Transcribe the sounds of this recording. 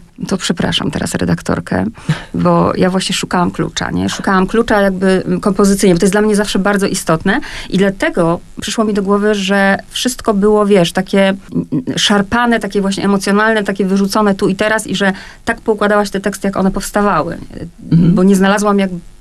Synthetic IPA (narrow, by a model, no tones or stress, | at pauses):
t̪ɔpʂɛpɾa̰ʂa̰mt̪ɛ̰ɾa̰sɾɛ̰d̪akt̪ɔ̰ɾkʰɛ̰bɔ̰javwaɕɲɛʂukawamklṵt͡ʂa̰ɲɛ̰ʂukawamklut͡ʂajaɡ̚bɘkɔmpɔzɘt̪sɘjɲɛbɔt̪ɔjs̬d̪lamɲɛzafʂɛbaɾd̪zɔʔist̪ɔt̪nɛʔid̪lat̪ɛɡɔ | pʂɘ̥ʂwɔmʲid̪ɔɡwɔvɘʐɛfʂɘst̪kɔbɘwɔvʲjɛʂt̪akʲɛ | ʂaɾpanɛt̪akʲɛvwaɕɲɛ̰ɛmɔt̪sjɔnalnɛt̪akʲɛvɘʐut̪sɔnɛt̪uit̪ɛɾasiʐɛ | t̪akpɔukwad̪awaɕt̪ɛt̪ɛkst̪ɘjakɔ̰nɛpɔfst̪avawɘ̰ | bɔɲɛznalazwamjaɡ̚